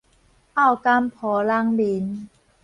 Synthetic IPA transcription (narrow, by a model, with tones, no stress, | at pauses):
ʔa˥˩wka˧˥mpʰɔː˨˦la˧˥ŋbi˨˦n